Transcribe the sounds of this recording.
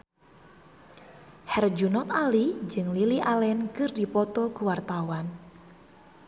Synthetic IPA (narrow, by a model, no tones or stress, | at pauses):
hɛrd͡ʒunɔt̪alid͡ʒɨŋliliʔalɛnkɨrdi̤pɔt̪ɔɡ̥uwart̪awan